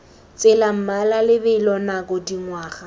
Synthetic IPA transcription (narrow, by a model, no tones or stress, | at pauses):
t͡sʼɪlam̩malalɪbɪlɔnakʼɔdiŋwaːχa